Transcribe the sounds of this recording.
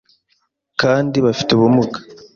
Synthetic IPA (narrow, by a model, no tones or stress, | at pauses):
kaːndiβafi̥teβumukḁ